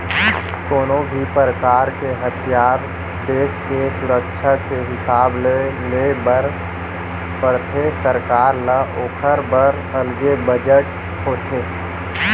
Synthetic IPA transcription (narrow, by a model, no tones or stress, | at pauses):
koːnõbʱipɾəkaːɾkeɦɐt̪ʰijaːɾ | d̪eːskesʊɾəkʃʰakeɦɪsaːblelebəɾ | pəɾt̪ʰesəɾkaːɾlaʔoːkʰəɾbəɾ | əlɡebəd͡ʒəʈ | hoːt̪ʰeː